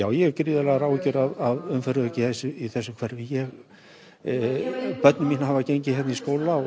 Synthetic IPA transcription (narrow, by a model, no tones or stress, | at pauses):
jaːwjɛcɾɪːðɪlɛɣaɾaːwcʏɾaðaðʏmfɛɾʏðʏcɪθesʏiθɛsːʏmkʰvɛɾðɪjɛɣ | pœt̪nɪminahavacejɲcɪhɛt̪nɪiskoːwla